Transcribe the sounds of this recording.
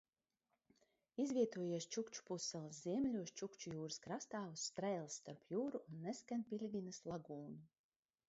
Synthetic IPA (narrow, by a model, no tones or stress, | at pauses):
izvʲiɛt̪uɔjiɛst͡ʃukt͡ʃu̥pusɛlˠɨsziɛmlʲuɔst͡ʃukt͡ʃujuːɾɨskɾast̪aːvusːt̪ɾɛjlˠsːt̪aɾpjuːɾuːnːeskanʲpʲilʲɡʲinɨslˠaɡuːnu